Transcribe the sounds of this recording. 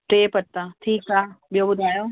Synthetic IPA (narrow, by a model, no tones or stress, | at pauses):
ʈɾeːpɐt̪ːãːʈʰiːkaːɓijoːbʊd̪ʱaːjoː